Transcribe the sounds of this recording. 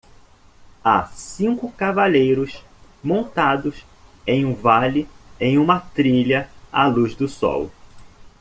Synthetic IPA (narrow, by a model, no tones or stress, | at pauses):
a̰sĩkʊkavaʎejɾʊs | mõnt̪ad̪ʊs | ẽj̃ũvalɪẽj̃ũmɐt̪ɾiʎɐa̰luzd̪ʊsɔ̰w